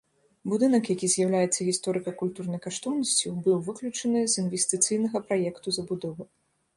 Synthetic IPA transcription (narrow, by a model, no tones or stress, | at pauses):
bud̪ɨnɐkjakʲizʲjawlʲajɛt̪sːɐɣʲist̪ɔɾɨkɐkulʲt̪urnɐjkaʂt̪ɔwnɐsʲt͡sʲubɨwvɨklʲut͡ʂɐnɨzʲinvʲesʲt̪ɨt̪sɨjnɐɣɐpɾajɛkt̪uzɐbud̪ɔvɨ